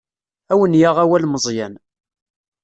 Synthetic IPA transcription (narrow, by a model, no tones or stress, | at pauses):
æwənjaʁæwælməzˤjæn